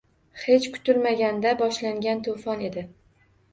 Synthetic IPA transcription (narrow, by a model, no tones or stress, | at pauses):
he̞t͡ʃkʰʊ̥t̪ʊlmaɡʲand̪abɒʃlaŋɡʲant̪ʰofɒne̞d̪ɪ